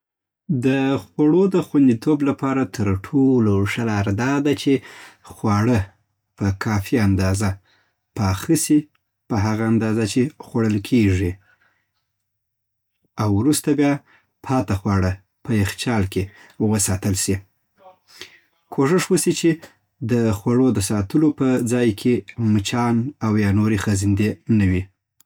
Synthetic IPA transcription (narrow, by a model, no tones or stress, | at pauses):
d̪əxwaɽod̪əxwand̪it̪ʰoblapɑɾat̪ʰəɾʈʰoloʂalaɾd̪ɑd̪at͡ʃexwɑɽə | pəkʰɑfiand̪ɑza | pɑxəsi | pəɦaɣaːnd̪ɑzat͡ʃexwaɽəlkʰeʐi | awɾust̪abjɑ | pʰɑt̪axwɑɽə | pəjɪxt͡ʃɑlkewəsɑt̪əlʃi | kʰoʂəʂwəsit͡ʃe | d̪əxwaɽod̪əsɑt̪əlopəd͡zɑjkʰemət͡ʃɑnawjɑnoɾexəzɪnd̪enəwi